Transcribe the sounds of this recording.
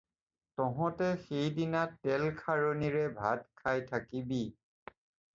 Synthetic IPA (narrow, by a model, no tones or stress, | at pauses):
tɔɦɔ̃tɛxejdinatːɛlkʰaɹoniɹɛbʱad̚kʰajtʰakibi